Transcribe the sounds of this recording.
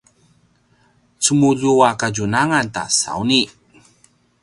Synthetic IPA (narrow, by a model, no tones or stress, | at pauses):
t͡sumuʎuakad͡ʑunaŋant̪a̰sa̰wni